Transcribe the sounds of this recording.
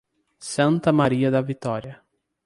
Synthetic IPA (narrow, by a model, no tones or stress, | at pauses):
sɐ̃nt̪ɐmaɾiɐd̪ɐvit̪ɔɾiɐ